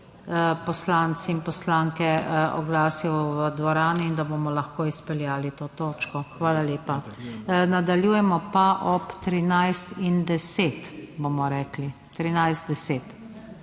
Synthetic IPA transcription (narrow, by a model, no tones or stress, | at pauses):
pɔslant̪siinpɔslaŋkɛɔ̰ɡlaːsijɔʋəd̪ʋɔɾaːniːnd̪aboːmɔlɐxkoːispɛljaːlit̪oːt̪oːt͡ʃkɔxʋaːlaljeːpa | nad̪aljuːjɛmɔpaʔɔpt̪ɾinajst̪ind̪ɛseːt̪boːmɔɾɛːkli | t̪ɾinajzt̪d̪ɛseːt̪